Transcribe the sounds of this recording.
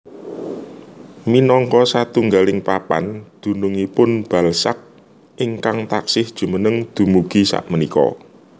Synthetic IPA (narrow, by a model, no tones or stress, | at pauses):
minɔŋkɔsat̪uŋɡalɪŋpapa̰nd̪̥ṳnʊŋipʊnb̥a̤lsa̰k̚ | ʔɪŋkaŋt̪ak̚sɪhd̥ʒ̥ṳmənəŋd̪̥ṳmuɡ̥isa̰ʔmənikɔ̰